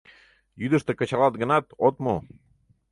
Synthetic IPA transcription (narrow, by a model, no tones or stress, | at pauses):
jyd̪ɘ̆ʃt̪əkə̆t͡ɕɑlˠɑt̪̚ɡɤ̆nɑt̪ot̪mo